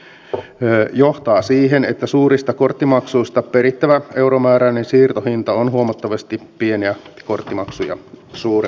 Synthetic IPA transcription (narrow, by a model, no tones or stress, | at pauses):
jo̞ht̪ɑːsiːɦenet̪ːæsuːɾist̪ɑko̞rt̪ːimɑksuist̪ɑpeɾit̪ːæʋæe̞wɾomæːɾænensiːrt̪ohint̪ɑonɦuomɑt̪ːɑʋɑst̪ipie̞niæko̞rt̪ːimɑksujɑ̰suːr